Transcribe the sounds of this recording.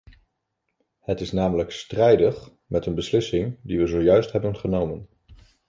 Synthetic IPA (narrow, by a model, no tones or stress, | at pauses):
hətɪsnaːmələkstrɛjdəχ | mɛtənbəslɪsɪŋdiʋəzowjœɥstɦɛbənχənowmən